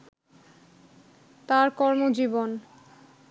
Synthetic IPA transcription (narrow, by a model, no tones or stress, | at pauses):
t̪aɾkɔɾmod͡ʑibon